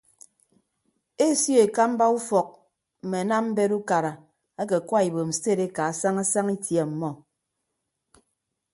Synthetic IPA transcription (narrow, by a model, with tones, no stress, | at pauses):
e˦sjo˦e˨ka˦m̩˦ba˦u˦fɔ˨k̚ | m̩˨me˨na˦m̩˦be˦ɾu˦ka˨ɾa˨ | a˦ke˨kwa˦i˨bo˨m̩˨se˦˨ɾe˦ka˨a˦sa˦ŋa˦sa˦ŋi˦tje˨m̩˨mɔ˦